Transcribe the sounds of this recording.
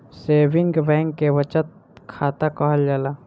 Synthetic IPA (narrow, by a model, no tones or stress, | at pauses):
seːbɪŋɡbɛ̃ːŋkːeʋət͡ʃət̪̚ | kʰaːt̪akəɦəld͡ʒaːlaː